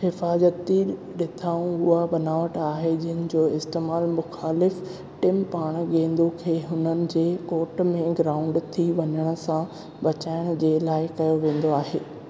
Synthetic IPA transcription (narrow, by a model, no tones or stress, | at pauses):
xɪfaːzət̪i | ɗɪt̪ʰaːũʊɦaɓɐnaːʋəʈaːɦed͡ʑɪɦənɪ̆d͡ʑoːɪst̪eːmaːlmʊxaːlɪf | ʈɪmpaːɽ̃ɠẽːnd̪ukʰeːɦʊnənɪ̆d͡ʑeːkoːʈmẽɡɾaːʊ̃ɳɖt̪ʰiʋɐɲəɽ̃ʊ̆sã | bɐt͡ɕaːɪɽ̃ʊd͡ʑeːlaːɪkɐjoʋẽːn̆d̪oaːɦeː